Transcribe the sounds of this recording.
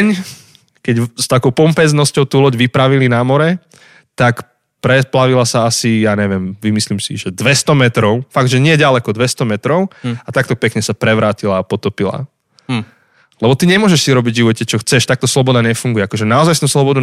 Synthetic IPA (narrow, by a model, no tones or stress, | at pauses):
ɲ | kɛɟst̪akɔʊpɔmpɛznɔscɔʊt̪uːlɔɟʋipɾaʋilinamɔɾɛ | t̪ak | pɾɛplaʋilasaasijaːɲɛʋɪɛmʋimislimsḭʒɛd̪ʋɛst̪ɔmɛt̪ɾɔʊfaɡ̚d̪ʒɛɲɪɛɟalɛkɔd̪ʋɛst̪ɔmɛt̪ɾɔʊat̪ak̚t̪ɔpɛkɲɛsapɾɛʋɾaːcilaːpɔt̪ɔpila̰ | lɛbɔt̪iɲɛmʊɔʒɛʃsiɾɔbiɟʒiʋɔcɛt͡ʃɔxt͡sɛʃt̪ak̚t̪ɔslɔbɔd̪aɲɛfuŋɡujɛakɔʒɛnaɔzajst̪uslɔbɔd̪u